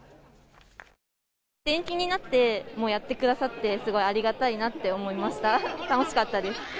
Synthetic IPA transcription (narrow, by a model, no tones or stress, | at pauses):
d̪̥ẽ̞ŋkʲiɲ̟inat̪ːe̞mo̞ːjat̪ːe̞kɯ̟d̪asat̪ːe̞sɨɡo̞iaɾʲiɡat̪ainat̪ːe̞o̞mo̞imaɕi̥t̪at̪ano̞ɕi̥kat̪ːad̪e̞sɨ̥